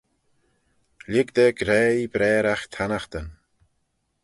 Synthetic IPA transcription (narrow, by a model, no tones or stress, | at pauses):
lɪɡd̪əɡɾɛːibɾɛːɾaxt̪ʰanaxt̪ən